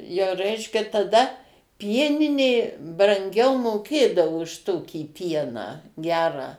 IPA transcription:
jɛʊ ˈrʲɛɪʃʲkʲɛ tɐˈdɐ ˈpʲiɛnʲɪnʲeː brɐŋʲˈɡʲɛʊ moːˈkʲeːdɐʋoː ʊʃ ˈtoːkʲiː ˈpʲiɛnɑː ˈɡʲæːrɑː

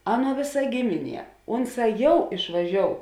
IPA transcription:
ˈɑːˌnuɔ ˈʋʲeːˌsɐ ˈɡʲɪmʲɪˌnʲiɛ ˈʊnˌsɑː ˈjɛʊ ɪʃʋɐˈʒʲoːʊ

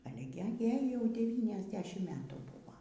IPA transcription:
ˈɑːlʲɛ ɡʲɪ ˈjɛɪ jɛʊ ˌdʲæːʋʲiːnʲɛzʲˈdʲæːʃʲɪm ˈmʲæːtuː ˈbuːʋoː

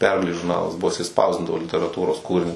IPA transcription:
ˈpʲɛrɡɐlʲeːs ʒʊrˈnɑːlˠɐs ˈbʊʋoː jɪˈsɐɪ ˈspɐʊzʲdʲɪndɐʋoː lʲɪtʲɛrɐˈtuːroːs ˈkuːrʲɪnʲʊs

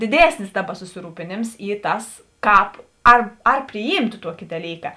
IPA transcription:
dʲɪˈdʲeːsʲnʲɪs ˈdɑːˌbɐ sʊsʲɪˈruːpʲeːnʲeːms ˈiː ˈtɐs ˈkɑːp ɐr ɐr pʲrʲɪˈjiːmtʊ ˈtuɔkʲɪ dɐˈlʲiːkɐ

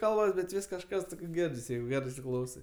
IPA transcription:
ˈkɐlˠbɐs bʲɛt ˈʋʲɪs kɐʃˈkɐs toːɡzʲˈɡʲɪrʲdʲɪs ˈjɛɪɡʊ ˈɡʲæːrɜ ɪsʲɪˈklˠɐʊsɐɪ

